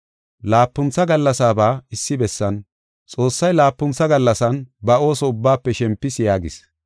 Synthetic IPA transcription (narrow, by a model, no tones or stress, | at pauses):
laːpːʊnt͡sːɐɡɐlːɐsaːbaːɪsːɪbɛsːɐn | t͡sʼo̞ːsːɐjlaːpːʊnt͡sɐɡɐlːɐsɐnbɐo̞ːsɔʊbːaːpːɛʃɛmpːɪsjaːɡɪ̰s